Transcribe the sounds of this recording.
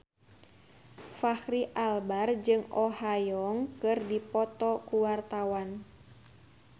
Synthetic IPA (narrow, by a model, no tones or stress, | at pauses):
fahɾiʔalbard͡ʒɨŋʔɔhajɔŋkɨrdipɔt̪ɔkuwart̪awan